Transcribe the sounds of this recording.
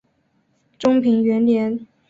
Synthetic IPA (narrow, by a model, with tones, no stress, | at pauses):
ʈ͡ʂʊ˥ŋpʰi˧˥ŋɥɛ˧˥nljɛ˧˥n